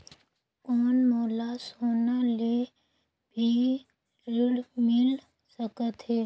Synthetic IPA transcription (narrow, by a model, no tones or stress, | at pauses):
koːnmoːlasɦoːnale | bʱi | ɾɪɽmɪl | səkət̪ɦɛː